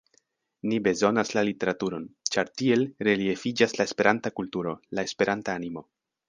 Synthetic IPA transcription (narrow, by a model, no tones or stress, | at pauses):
nibe̞zo̞naslalite̞ɾatuɾo̞nt͡ʃaɾtie̞lɾe̞lie̞fid͡ʒaslae̞spe̞ɾʔantakultuɾo̞lae̞spe̞ɾantaːnimo̞